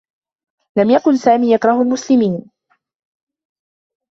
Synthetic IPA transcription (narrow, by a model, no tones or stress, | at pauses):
lamjakʊnsaːmiːjakɾˤɑhʊlmʊslɪmiːn